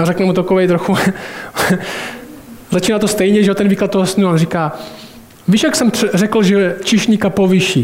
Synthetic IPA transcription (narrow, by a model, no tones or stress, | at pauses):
aɾɛknɛmut̪akovɛjt̪ɾoxu | zat͡ʃiːnaːt̪ost̪ɛjɲɛʒɛot̪ɛnviːklat̪̚t̪oɦosɪnuonrikaː | viːʃjaksɛmɛrɛkl̩ʒɛt͡ʃɪʃɲikapoviʃiː